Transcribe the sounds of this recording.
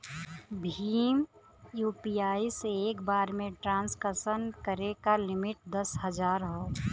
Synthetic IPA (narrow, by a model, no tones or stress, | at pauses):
bʱiːm | juːpiaːiseeːkbaːɾmẽʈɾãːnskəsənkəɾekalɪmɪʈ̚d̪əsɦəd͡ʒaːɾɦoː